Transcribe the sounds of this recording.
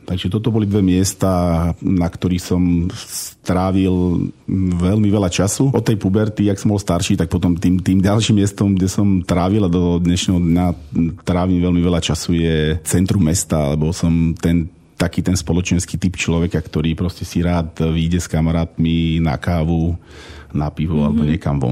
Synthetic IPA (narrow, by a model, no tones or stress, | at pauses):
t̪aɡʒɛt̪ɔt̪ɔbɔlid̪ʋɛmɪɛst̪aːnakt̪ɔɾixsɔmst̪ɾaːʋil | ʋɛlmiʋɛlat͡ʃasuɔt̪ːɛjpubɛɾt̪iaksɔmbɔlst̪aɾʃiːt̪ak̚pɔt̪ɔmt̪iːmt̪iːmɟalʃimːɛst̪ɔmɡɟɛsɔmt̪ɾaːʋilad̪ɔd̪ɲɛʃnɛːɦɔd̪ɲat̪ɾaːʋiːmʋɛlmiʋɛʎat͡ʃasujɛt͡sɛnt̪ɾumːɛst̪aa̰lɛbɔsɔmt̪ɛn | t̪akiːt̪ɛnspɔlɔt͡ʃɛnskiːt̪ipt͡ʃlɔʋɛkakt̪ɔɾiːpɾɔscɛsiɾaːt̪ʋiːɟɛskamaɾaːt̪mina̰kaːʋu | napiʋɔa̰lɛbɔɲɪɛkamʋɔ̰